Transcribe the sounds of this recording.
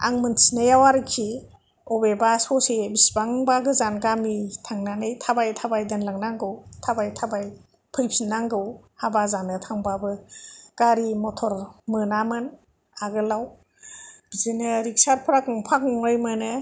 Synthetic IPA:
a̰ŋmɯntʰinajawaɾɯkʰi | ɔbebasɔsebisbaŋbaɡɯzanɡamitʰaŋnanɯjtʰabajtʰabajdɯnlaŋnaŋɡɯwtʰabajtʰabaj | pʰɯjpʰinːaŋɡɯwhabazanɯtʰaŋbabɯɡ̥aɾimɔtʰɔɾmɯnamɯn | aɡɯlaw | bzinɯɾik̚saɾpʰɾak̚ɯŋpʰak̚nɔŋɾɯjmɯnɯ

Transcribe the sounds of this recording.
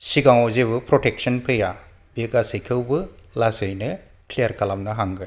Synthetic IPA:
siɡaŋɔzebɯpɾɔtek̚sɔnpʰɯja | beɡasɯjkʰɯwbɯlasɯjnɯ | kʰliaɾkʰalamnɯɦaŋɡɯ

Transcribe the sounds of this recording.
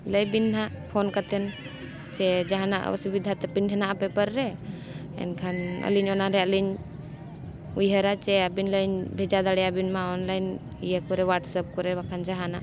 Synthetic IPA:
ləjbinɦaʔpʰɔnkat̪ɛn | t͡ʃɛd͡ʒaɦanaʔə̰sibid̪ʱat̪ɛpinɦɛnaʔpɛpəɾːɛ | ɛ̰nkʰanə̰liɲɔnaɾɛəliɲ | ujɦəɾat͡ʃɛabinləjɲbʱɛd͡ʒad̪aɽɛjabinmaɔnlajn | ijakɔɾɛwaʈsəp̚kɔɾɛbakʰand͡ʒaɦana̰ʔ

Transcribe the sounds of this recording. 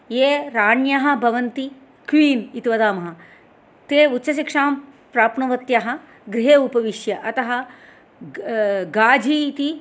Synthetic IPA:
jeːɾaːɳjaɦɐ̆bʱɐʋɐnt̪i | kʋiːnit̪iʋɐd̪aːmɐɦɐ | t̪eːut̪ːʃʰɐʃ̬ikʂaːm | pɾaːpɳɐʋɐt̪jaːɦɐ | ɡɾɪɦeːupɐʋiʂjɐʔɐt̪ɐɦɐ | ɡaːd͡ʒʱit̪i

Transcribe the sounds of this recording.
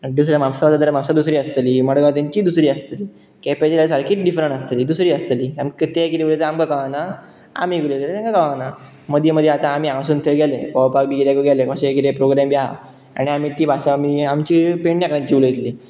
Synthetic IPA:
d̪us̬ɾjamamsaʋat̪ad̪əɾamamsad̪usɾiːəst̪liːməɽɡat̪jaɲt͡ɕiːd̪usɾiːəst̪liː | kɛpat͡ɕilasalkiːt̪ɖifɾəɳast̪liːd̪usɾiːəst̪əliːamkət̪ekiɾeulet̪eamkakaʋana | a̰miːɡulet̪et̪t̪ãŋkakaʋãna | məd̪ʱjeməd̪ʱjeat̪ãːmiːasuːnt̪ʰelɡɛlekɔʋpak̚biɡɾjakoɡɛlekɔ̃ɕkiɾepɾoɡɾɛmbja | a̰ɽ̃iamiːt̪iːbasaamiamt͡ɕipeɳnjakəɾãɲt͡ɕiulet̪liː

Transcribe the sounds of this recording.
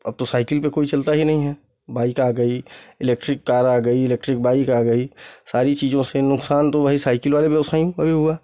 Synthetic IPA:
ɐb̚t̪osaːɪkɪlpekoːit͡ʃɐlt̪aɦinɐɦĩɦɛː | baːikaːɡəiɪleːk̚ʈɾɪkːaːɾaːɡəiɪleːk̚ʈɾɪk̚baːikaːɡəisaːɾit͡ʃiːd͡ʒõsenʊksaːnt̪oʋɐɦisaːɪkɪlʋaːlebjɐʋəsaːjũɐbʱiɦʊaː

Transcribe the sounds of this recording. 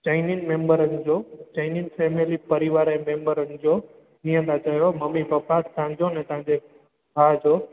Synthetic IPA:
t͡ɕaɪninmẽːmbəɾənɪ̆d͡ʑoːt͡ɕaɪninfeːmelipəɾɪʋaːɾemẽːmbəɾənɪ̆d͡ʑoː | nĩjə̃nd̪at͡ʃɐɦjoməmibəpasãd͡ʑonɛ̃t̪ɐ̃ɦãd͡ʑe | bʱaːd͡ʑoː

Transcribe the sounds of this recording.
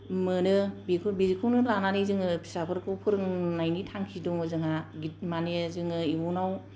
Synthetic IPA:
mɯnɯbikʰɯbizikʰɯwnɯlananizɯŋɯpʰi̥sapʰɯɾkʰɯwpʰɯɾɯŋnajnitʰaŋkʰidɔŋɯzɯŋaɡit̚manezɯŋɯimunaw

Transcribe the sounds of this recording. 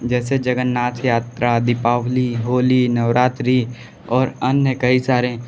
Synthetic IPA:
d͡ʒɛːsed͡ʒəɡənːaːt̪ʰjaːt̪ɾʔad̪ɪpaːʋliɦoːlinəʋɾaːt̪ɾi | ɔːɾənjəkɐisaːɾẽ

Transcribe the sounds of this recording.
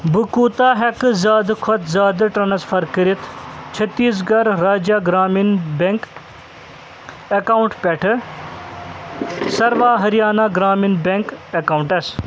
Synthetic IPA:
bukuːt̪aːɦɐkzaːd̪kʰɔt̪zaːd̪ɨʈɐnɐsfʰɐɾkəɾit̪t͡ʃʰɐt̪ːiːs̬ɡɐɾɾaːd͡ʒjaːɡɾaːminbeŋk | ɐkaːuɳʈpeʈʰɨ | sɐɾʋaːɦɐɾijaːnaːɡɾaːminbeŋkɐkaːwuɳʈɐs

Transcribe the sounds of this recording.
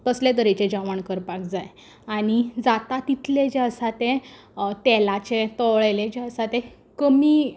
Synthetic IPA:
t̪əslẽt̪əɾet͡ɕed͡ʑaʋaɳkəɾpakd͡zaj | aɽ̃id͡zat̪at̪it̪ʰled͡ʑeəsat̪ẽ | t̪ɛlat͡ɕet̪ɔʋɭeled͡ʑeəsat̪e | kəmiː

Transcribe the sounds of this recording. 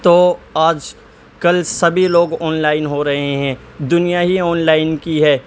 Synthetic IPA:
t̪oaːd͡ʒ | kɐlsɐbʱiloːɡɔːnlaːɪnɦoɾɐɦeɦɛ̃ː | d̪ʊnijaɦiɔːnlaːɪnkiɦɛː

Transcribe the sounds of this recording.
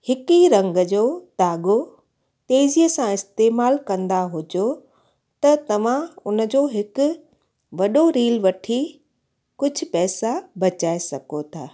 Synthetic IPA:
hɪkiɾɐ̃ŋɡd͡ʑoːt̪aːɠo | t̪eːzijəsãɪst̪eːmaːlkɐ̃nd̪aɦʊd͡ʑo | t̪ɐt̪ɐʋ̤ãʊnə̆d͡ʑoːɦɪkʊ̆ | ʋɐɗoɾiːlʋɐʈʰi | kʊd͡ʑʱʊ̆pɛːsabɐt͡ɕaːesɐɡot̪ʰa̰ː

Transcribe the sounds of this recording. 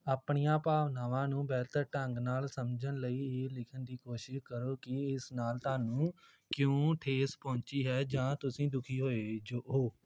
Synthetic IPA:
aːpɳijãːpaːʋnaːʋãːnũːbɛːt̪əɾʈəŋɡnaːlsəmd͡ʒənləiːeːlɪkʰənd̪iːkoːʃɪʃkəɾoːkɪɪsnaːlt̪aːnũː | kjõːʈʰeːspɔ̃ːt͡ʃiːɦɛːd͡ʒãːt̪ʊsĩːd̪ʊkʰiːɦoːeːd͡ʒoːʔoː

